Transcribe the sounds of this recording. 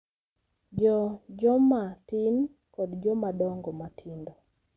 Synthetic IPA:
d͡ʒɔd͡ʒɔmatin | kɔdd͡ʒɔmadɔŋɡɔmatʰindɔ

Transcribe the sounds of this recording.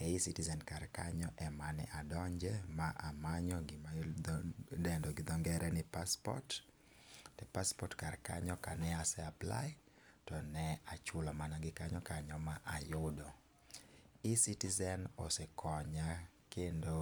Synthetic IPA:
ɛisitizɛnkarkaɲɔʔɛmanɛ̰ʔadɔɲd͡ʒɛmaʔamaɲɔɡ | dɛndɔɡɪd̪ɔŋɡɛɾʔɛnɪpaspɔ̰t | tɛpaspɔtkarka̰ɲɔkanɛasɛapla̰j | tɔnɛat͡ʃʊlɔmanaɡɪkaɲɔkaɲɔmaʔajʊdɔ | isitizɛno̰sekʰɔɲa | kendo

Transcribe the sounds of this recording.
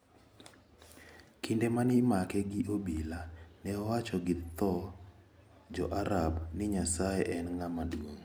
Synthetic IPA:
kindemanɪmakɛɡɪʔobilanɛɔwat͡ʃɔɡɪt̪ɔ | d͡ʒɔʔaɾabnɪɲasajɛʔɛnŋamadwoŋ

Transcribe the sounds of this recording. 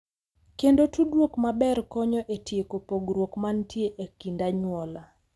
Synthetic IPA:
kendotudwokmabɛrkɔɲɔʔetjekopoɡɾwokmantjeʔekindaɲwɔla

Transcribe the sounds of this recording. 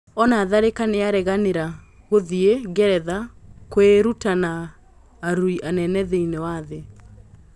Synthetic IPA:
ɔnaːðaɾekaneaɾɛɣaneɾa | ɣoðieɡɛɾɛðakweɾutanaː | ɾuiʔanɛnɛðeinewaðe

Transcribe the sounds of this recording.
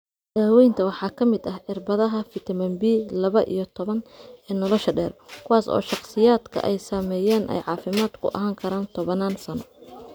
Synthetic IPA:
d̪̥aːwɛjnt̪ʰɐwɑħɑːkʰɐmɪd̪ɐhʕɪrbɐðɐɦɐfɪt̪ʰɐmɐmbiːlɐβɐʔḭjɞt̪ʰɔβɐnɛːnɔlɔʃɐɖɛːrkʰʊwaːsɔ̰ːʃɑqsɪjaːd̪kʰɐ̰ʔɛjsɐmɛːjɛːnʔɛ̰jʕɑːfɪmaːd̪̥kʰʊ̰ʔɐ̰ɦaːŋkʰɐɾaːnt̪ʰɔβɐnaːnsɐnɔ̰

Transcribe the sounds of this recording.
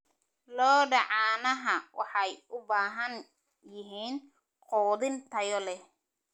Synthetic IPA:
lɔːɖɑʕɑːnɐɦɐwɑħɑjʊbaːɦɐn | jɪɦiːn | qɔːðɪnt̪ʰɐjɔlɛ

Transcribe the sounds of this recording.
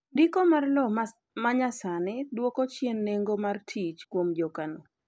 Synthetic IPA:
dikomarlɔ | maɲasanɪdwɔkot͡ʃjenːeŋɡomartʰit͡ʃkwomd͡ʒɔkano

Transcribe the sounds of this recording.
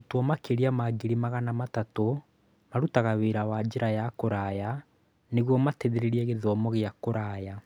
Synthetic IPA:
tɔmakeɾiamaɡiɾimaɣanamatato | maɾutaɣaweːɾawad͡ʑeɾajakoɾaja | neɣwɔmateðeɾeɾiɛɣeðɔmɔɣeakoɾaja

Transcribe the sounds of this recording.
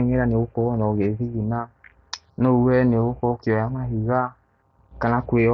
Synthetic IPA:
ŋeɾanewokɔɔnɔɣeviɣina | noɛnewokɔkiɔjamaɦiɣa | kanakweɔ

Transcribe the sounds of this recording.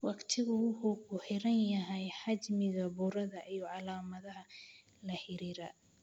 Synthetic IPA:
wɑqt̪ʰɪɣʊhʊɡʊħɪɾɐnjɐɦɛjħɑd͡ʒmɪɣɐbuːɾɐðɐʔijɔʕɑlaːmɐðɐɦɐ | lɐħɪɾiːɾɐ

